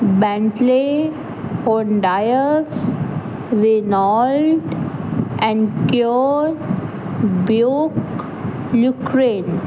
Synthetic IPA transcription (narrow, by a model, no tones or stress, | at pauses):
bɛ̃ɳʈle | hoɳɖaɪəs | ʋenɔːlɖ | ɛ̃ɳkjoɖ | bjoːk | lukɾẽːn